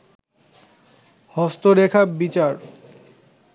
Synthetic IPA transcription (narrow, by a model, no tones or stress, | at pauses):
hɔst̪oɾekʰabit͡ɕaɾ